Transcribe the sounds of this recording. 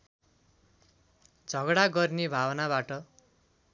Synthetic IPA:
d͡zʱʌɡɽaɡʌrnebʱabʌnabaʈʌ

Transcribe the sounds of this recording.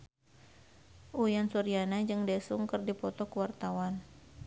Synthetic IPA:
ʔujansuɾianad͡ʒɨŋdɛsuŋkɨrdipɔt̪ɔkuwart̪awan

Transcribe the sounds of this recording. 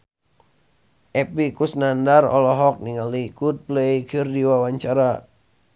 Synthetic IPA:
ʔɛpikusnandarɔ̰lɔɦɔk̚niŋalikut̪̚plɛjkʰɨrdiwawaɲt͡ʃaɾa

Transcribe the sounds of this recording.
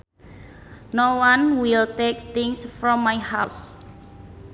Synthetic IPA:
nowãnwilt̪ek̚t̪ɪŋsfɾɔ̃mːajhaws

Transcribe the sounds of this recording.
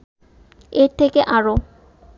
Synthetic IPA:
eɾt̪ʰekeʔaɾo

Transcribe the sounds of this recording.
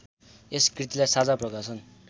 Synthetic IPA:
eskrit̪ilajsad͡zaprʌkasʌn

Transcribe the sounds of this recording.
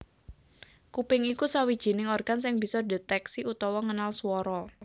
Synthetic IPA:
kupɪŋikusawid̥ʒ̥i̤nɪŋɔrɡ̥ans̬ɪŋb̥i̤sɔdet̪ɛksiut̪ɔwɔŋənalswɔɾɔ

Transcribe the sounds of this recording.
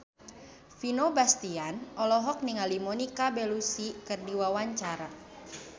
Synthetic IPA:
finobast̪ianɔlɔɦɔk̚niŋalimɔnikabɛlusikɨrdiwawaɲt͡ʃaɾa

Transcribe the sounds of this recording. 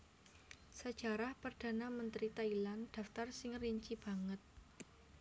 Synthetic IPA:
sə̥d͡ʒ̥aɾahpərd̥a̤namənt̪ɾit̪ailand̥aft̪arsɪŋriɲt͡ʃib̥a̤ŋət̪̚

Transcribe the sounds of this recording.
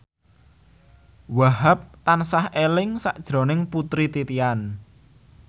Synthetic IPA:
waɦap̚t̪ansahelɪŋsa̰ʔd̥ʒ̥ɾo̤nɪŋput̪ɾit̪it̪ian

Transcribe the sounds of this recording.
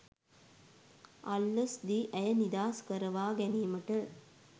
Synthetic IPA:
ɐlːəsd̪iʔæjənid̪aːskəɾəʋaːɡæniːməʈə

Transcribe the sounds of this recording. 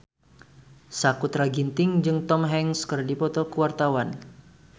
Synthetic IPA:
sakut̪ɾaɡint̪ɪŋd͡ʒɨŋt̪ɔmɦɛŋskərdipɔt̪ɔkəwart̪awan

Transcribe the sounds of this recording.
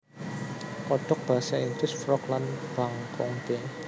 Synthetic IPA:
kɔɖ̥ɔk̚b̥asaind̪ɪsfɾɔklanb̥aŋkɔŋd̥e

